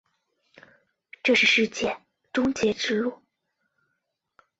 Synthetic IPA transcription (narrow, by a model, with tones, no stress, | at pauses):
ʈ͡ʂɤ˥˧ʂɻ̩˥˧ʂɻ̩˥˧t͡ɕjɛ˥˩ | ʈ͡ʂʊ˥ŋt͡ɕjɛ˧˥ʈ͡ʂɻ̩˥lu˥˩